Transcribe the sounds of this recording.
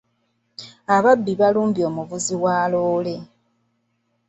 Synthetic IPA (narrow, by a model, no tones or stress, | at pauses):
aβabːiβaluːmbjo̞ːmuvuziwaːloːle̞